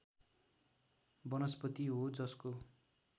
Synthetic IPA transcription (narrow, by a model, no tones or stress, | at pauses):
bʌnʌspʌt̪iɦod͡zʌsko